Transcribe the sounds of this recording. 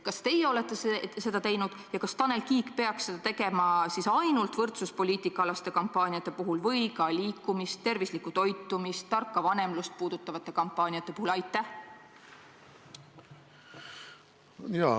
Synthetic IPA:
kɑst̪e̞jeo̞let̪ːˑe̞sese̞d̪̥ɑt̪e̞jnud̪̥jɑkɑst̪ɑne̞lkiːkpe̞ɑksːe̞d̪̥ɑt̪e̞ɡe̞mɑsisɑjnult̪vɤrt̪suspo̞lʲiːt̪ˑikːˑɑɑlɑst̪e̞kɑmpːˑɑːnʲiɑt̪ːˑe̞puɦulvɤjkɑliːkːˑumist̪ːe̞rvislikːˑut̪o̞jt̪ːˑumist̪ːɑrkːɑvɑne̞mlust̪̚puːd̪̥ut̪ːˑɑvɑt̪ːˑe̞kɑmpːˑɑːnʲiɑt̪ːˑe̞puhulɑjt̪ːˑæh | jɑ

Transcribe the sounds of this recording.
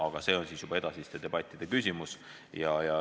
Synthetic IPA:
ɑɡ̥ɑse̞ːo̞nsiːsjub̥ɑe̞d̪ɑsist̪e̞d̪e̞b̥ɑt̪ʲːˑid̥̪e̞kysʲimus | jɑjɑ

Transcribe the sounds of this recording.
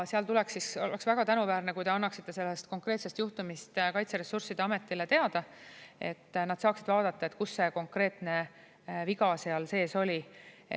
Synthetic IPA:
seɑlt̪ulɛksiso̞̰leksvæɡ̥ɑt̪ænuvæːrnekujt̪e̞ɑnːɑksit̪ːe̞se̞lːest̪ko̞ŋkre̞ːt̪se̞st̪juht̪umist̪kɑjt̪seɾesːursid̪̥eɑme̞t̪ːˑile̞t̪e̞ɑd̪̥ɑe̞t̪ːnɑd̪̥sɑːksid̪̥vɑːd̪̥ɑt̪ːˑɑet̪kusːe̞ko̞ŋkre̞ːt̪ne̞ | viɡɑseɑlse̞ːso̞lʲi

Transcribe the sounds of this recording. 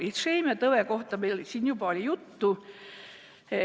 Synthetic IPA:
it̪seimet̪ɤveko̞ht̪ɑmelsiːnjubɑolʲijut̪ːu

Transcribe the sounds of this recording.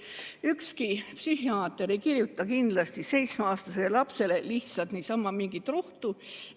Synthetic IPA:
ykskipsyɦiɑːt̪ːˑeɾikirjut̪ːˑɑkind̪̥lɑst̪ise̞jt̪smeɑːst̪ɑselɑpse̞le̞liht̪sɑlt̪niːsɑmːɑmiŋɡ̥it̪ːroht̪u

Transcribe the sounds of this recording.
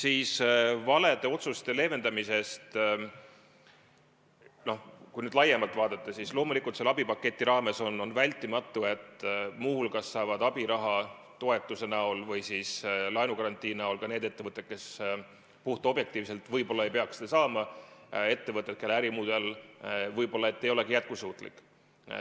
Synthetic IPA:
siːsvɑle̞d̪̥e̞o̞t̪sust̪e̞le̞ːve̞nd̪ɑmise̞st̪ | no̞hkujnyːd̪lɑjemɑlt̪vɑːd̪̥ɑt̪ˑːɑsislo̞ːmulikult̪selɑbipɑkːˑe̞t̪ʲːˑiɾɑːme̞so̞nːo̞nvælʲt̪ːˑimɑt̪ˑːue̞t̪ːˑmuhulkɑsːɑːvɑd̪̥ɑbiɾɑɦɑ | t̪o̞e̞t̪ːˑuse̞næolvɤjsislɑjnukɑɾɑnʲt̪ˑiːnæolkɑne̞ːd̪e̞t̪ːe̞vɤt̪ːˑe̞t̪̚ke̞s | puht̪uo̞b̥je̞kt̪iːvse̞lt̪vɤjbo̞lːɑe̞jpe̞ɑksed̪̥ɑsɑːmɑe̞t̪ːe̞vɤt̪ːˑe̞t̪̚ke̞lːeæɾimuːd̪̥e̞lvɤjbo̞lːɑe̞t̪ːe̞jo̞le̞ɡijæt̪̚kusuːt̪ˑlḭkːˑ

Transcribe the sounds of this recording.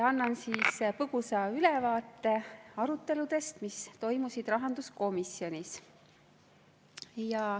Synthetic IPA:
ɑnːɑnsiːspɤɡ̥usɑylɛvɑːt̪ːe̞ɑɾut̪ːˑe̞lud̪̥e̞st̪mist̪o̞jmusid̪̥rɑɦɑnd̪usko̞misjo̞nʲis | jɑ

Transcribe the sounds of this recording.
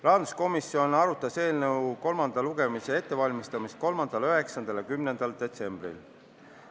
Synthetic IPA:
lɑːd̪usko̞misːio̞nɑɾut̪ːˑɑse̞ːlnəwko̞lmɑnd̪ɑluɡ̥e̞mise̞e̞t̪ːe̞vɑlʲmist̪ɑmist̪̚ko̞lmɑnd̪̥ɑløɦe̞ksɑnd̪̥ɑljɑkymnend̪̥ɑld̪̥e̞t̪se̞mb̥rḭl

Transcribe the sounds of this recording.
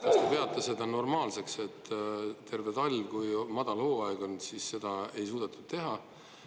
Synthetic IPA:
kɑst̪epe̞ɑt̪ˑːesed̪ɑno̞rmɑːlse̞kse̞t̪ːt̪e̞rvet̪ɑlʲkujmɑd̪̥ɑlho̞ːɑeɡ̥o̞nsisːe̞d̪̥ɑe̞jsuːd̪ɑt̪ːˑud̥̪̚t̪e̞ɦɑ

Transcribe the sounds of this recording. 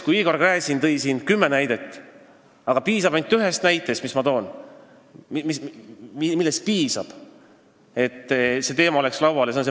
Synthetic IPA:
kujiːkorkræːsint̪ɤ̞jsiːnkymːe̞næjd̪e̞t̪ːˑ | ɑɡ̥ɑpiːsɑbɑnt̪ːˑyɦe̞st̪næjt̪ːˑest̪mismɑt̪o̞ːn | mimisimilːe̞s̚piːsɑb̥ | e̞t̪ːse̞t̪e̞ːmɑole̞kslɑwɑljɑsnse

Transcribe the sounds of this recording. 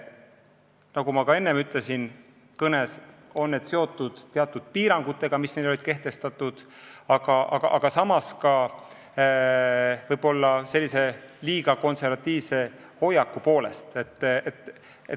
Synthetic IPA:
nɑɡumɑkɑe̞nːe̞myt̪ˑle̞sin | kɤne̞so̞nːe̞d̪̥se̞o̞t̪ːˑud̪̥eɑt̪ːˑud̪̥̚piːɾɑŋɡ̥ut̪ːˑe̞ɡ̥ɑmisnelolʲid̪̥ke̞ht̪e̞st̪ɑt̪ːˑud̪̥ɑɡ̥ɑʔɑ̰ɡ̥ɑʔɑɡ̥ɑsɑmɑskɑ | vɤjb̥o̞lːɑse̞lʲːise̞liːɡ̥ɑko̞nse̞rvɑt̪ʲːˑiːvse̞ | ho̞jɑkːˑupo̞ːle̞̰st̪e̞t̪ˑːet̪ː | e

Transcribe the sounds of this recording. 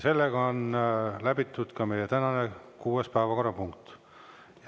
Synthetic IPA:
se̞lːeɡ̥ɑonlæbit̪ːˑud̪̥kɑme̞jet̪ænɑne̞kuːespæːvɑko̞rːɑpuŋkt̪ | j

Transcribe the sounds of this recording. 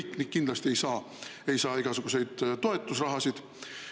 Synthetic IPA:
iknikːind̪lɑst̪ie̞jsɑː | e̞jsɑːiɡ̥ɑsuɡ̥use̞jd̪̥t̪ːo̞e̞t̪ːˑusrɑɦɑsid̪̥

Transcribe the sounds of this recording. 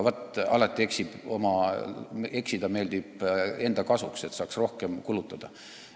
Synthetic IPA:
vɑt̪ːɑlɑt̪ːˑie̞ksib̥o̞̰mɑ | e̞ksid̪̥ɑme̞ːld̪̥ibe̞nd̪̥ɑkɑsukse̞t̪sɑːksro̞hke̞mkulut̪ːˑɑd̪̥ɑ

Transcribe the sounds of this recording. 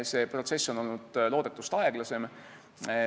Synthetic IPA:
se̞pro̞t̪se̞sːono̞lnud̪̥lo̞ːd̪̥e̞t̪ːˑust̪ɑeɡ̥lɑse̞m

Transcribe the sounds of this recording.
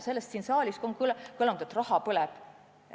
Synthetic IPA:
se̞lːest̪siːnsɑːlʲiskoŋklkɤlɑnd̪̥et̪ːrɑhɑpɤlɛb̥

